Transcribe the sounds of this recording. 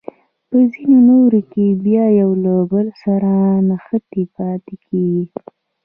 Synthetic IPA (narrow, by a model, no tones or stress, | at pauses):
pəzinonoɾokebjɑjawlabəlsaɾanaxət̪epɑt̪ekʰeɡi